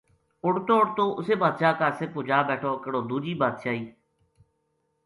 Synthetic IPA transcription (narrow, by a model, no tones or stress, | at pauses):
ʊɽt̪oːɽt̪õːʔʊseːbaːd̪ʃaːkaːseːpʊːd͡ʒaːbɛːʈʰoːkəɽoːd̪uːd͡ʒiːbaːt̪ʃaːiː